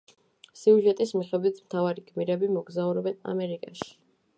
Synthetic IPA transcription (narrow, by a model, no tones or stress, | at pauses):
siuʒɛt̪ʼismiχɛbit̪ʰmt̪ʰavaɾikʰʼmiɾɛbimɔɡzauɾɔbɛna̰mɛɾikʼaʃi̥